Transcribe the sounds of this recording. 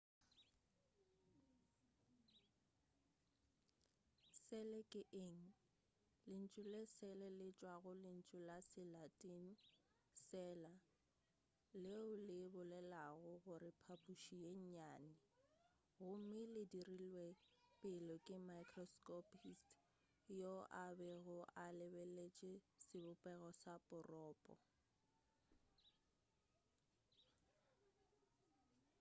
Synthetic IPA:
sɛlɛkʼɪʔeŋ̩ | lɪn̩t͡ʃʼʊlesɛlɛlɪt͡ʃʼwaɣʊlɪn̩t͡ʃʼʊlasɪlatʼin | sɛla | leʊlɪbʊlɛlaɣʊɣʊɾɪpʰapʼuʃieɲ̩ɲaːnɪ | ɣʊm̩mɪlɪdirilwepʼɪlɔkʼɪmakʰrɔskʼɔpʰist | joʔabɛɣʊʔalɪbelet͡ʃʼɛsɪbʊpʼɛɣɔsapʼʊrɔːpʼɔ̰

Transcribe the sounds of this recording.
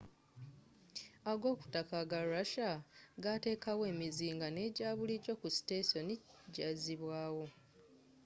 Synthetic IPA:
aɡo̞ːku̥takaɡaaʃaɡate̞ːkawe̞ːmiziːŋɡane̞ːɟaːβuliɟo̞kusi̥teso̞niɟaziβwaːwo̞

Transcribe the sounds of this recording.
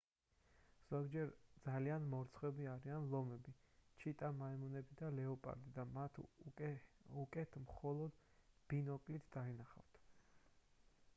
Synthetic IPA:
z̥ɔɡd͡ʒɛɾd̪zalianmɔɾt̪sʰχwɛbiaɾianlˠɔmɛbit͡ʃʰit̪ʼamaɛmɔnɛbid̪alɛɔpʼa̰ɾd̪id̪amat̪ʰ | ukʼɛt̪ʰmχɔlˠɔd̪̥ | b̥inɔkʼlit̪ʰd̪ainaχa̰ft̪ʰ

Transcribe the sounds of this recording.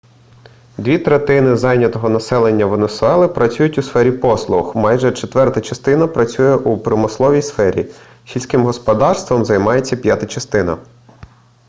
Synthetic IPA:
d̪ʲʋʲit̪ɾet̪ɪnɪzɑjnʲɐt̪ɔɦɔnɐsɛlˠenʲːɐʋenesʊɛlˠɪpɾɐt͡sʲujʊtʲʊsfɛɾʲipɔslˠʊxmɑjʒɛt͡ʃet̪ʋɛrt̪ɐt͡ʃɐst̪ɪnɐpɾɐt͡sʲujɛʔupɾɔmɪslˠɔʋʲijsfɛɾʲḭ | sʲilʲsʲkɪmɦɔspɔd̪ɑrst̪ʋɔmzɐjmɑjet͡sʲːɐpʲjat̪ɐt͡ʃɐst̪ɪnɐ̰

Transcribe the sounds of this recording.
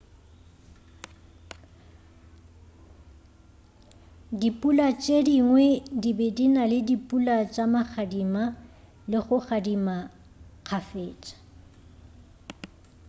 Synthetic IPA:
dipʼulat͡ʃʼediŋwɛdibedinalɪdipʼulat͡ʃʼamaχʰadima | lɪχʊχadima | k͡xʰafeːt͡ʃʼḁ

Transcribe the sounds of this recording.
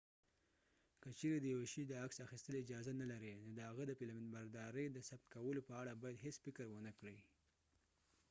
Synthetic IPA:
kət͡ʃeɾed̪əjaweʃid̪əaksaxist̪əleɪd͡ʒɑzanalaɾenod̪əhaɣəd̪əpilamɪnbaɾd̪ɑɾəjd̪əsab̚t̪kawəlopəaɽabɑjad̪ɦesfɪkəɾwənəkɽi

